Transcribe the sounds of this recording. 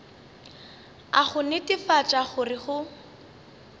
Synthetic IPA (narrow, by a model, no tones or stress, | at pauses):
aχʊnɪtʼɪfat͡ʃʼaχʊrɪχʊ